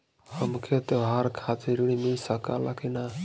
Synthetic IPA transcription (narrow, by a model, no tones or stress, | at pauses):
həmkʰet̪eɦaɾkʰateɾuɽimisəka̰lakina